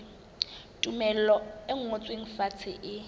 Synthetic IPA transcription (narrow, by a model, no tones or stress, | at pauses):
tʼumɛl̩ɔɪŋ̩ot͡sʼweŋ̩fat͡sʰɪ̰ʔɪ